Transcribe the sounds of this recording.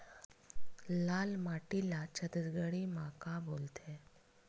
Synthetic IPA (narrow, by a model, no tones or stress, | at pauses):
lalmaʈilat͡ɕət̪əd͡zɡəɭiːmakabolt̪ʰe